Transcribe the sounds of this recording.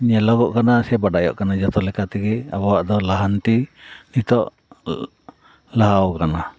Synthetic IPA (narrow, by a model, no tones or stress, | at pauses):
ɲɛlɔɡɔʔkanasɛbaɖajɔ̰ʔkanad͡ʒɔt̪ɔlɛkat̪iɡɛa̰bɔwaʔd̪ɔlaɦant̪init̪ɔʔ | laɦawkana